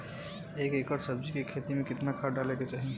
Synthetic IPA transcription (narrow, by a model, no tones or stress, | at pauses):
ekekəɾsəb̚d͡ʒikekʰet̪imekɪt̪nakʰaɖaleket͡ʃaɦi